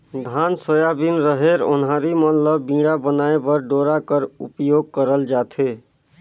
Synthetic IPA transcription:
d̪ʱansəjabinɾəɦeɾo̰nɦaɾimət̪ləbːĩɽabənaebəɾɖoɾakəɾṵpjoɡ̚kəɾəld͡ʒat̪ʰe

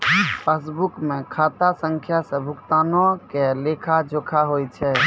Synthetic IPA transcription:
pʰes̬bukmekʰat̪asəŋkʰjasə̃bʱukt̪anɔkelekʰad͡ʒokʰaɦojt͡ʃʰɛ

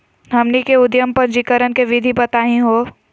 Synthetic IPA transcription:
ɦɐmnikeʊd̪jəmpəɾd͡ʒikəɾənkeʋɪd̪ʱibɐt̪aːɦĩɦoː

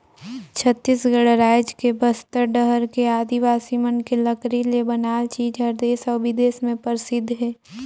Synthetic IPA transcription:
t͡ʃʰət̪ːiːsɡəɽɾaːjd͡ʒkebəst̪əɾɖəɦəɾkeaːd̪iʋaːsimənkeləkɾilebənaːlt͡ʃiːd͡ʒɦəɾd̪eːsɔːbɪd̪eːsmẽpəɾsɪd̪ʱːɦɛː

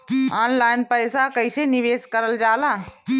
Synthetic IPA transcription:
aːnlaːɪnpəjsakəɪseniʋeːskəɾəld͡ʒaːla

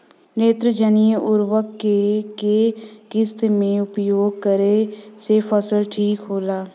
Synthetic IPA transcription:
ɾeːt̪ɾəd͡ʒənijəʔʊɾwəkːekeɡɪst̪mẽʊpjoːɡ̚kəɾesefʰəsəlʈʰiːkɦoːlaː

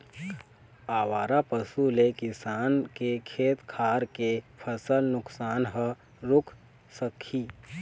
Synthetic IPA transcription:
aːwaːɾapəsulekɪsaːnkekʰeːt̪kʰaːɾkepʰəsəlnʊksaːnɦə | ɾʊkʰ | səkʰiː

